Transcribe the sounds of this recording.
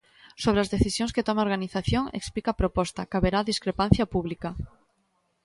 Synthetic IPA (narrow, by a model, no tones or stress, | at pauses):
soβ̞ɾeazðeθisjõŋsket̪omaoɾɣaniθaθjoŋḛksplikapɾopɔst̪akaβeɾaðiskɾepãn̟θjapuβlika